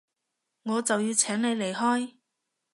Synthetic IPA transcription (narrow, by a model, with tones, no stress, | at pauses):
ŋɔː˨˧t͡sɐ˨wjiː˧wt͡sʰɛː˨˥ŋne˨˧jle˨˩jɦɔː˥j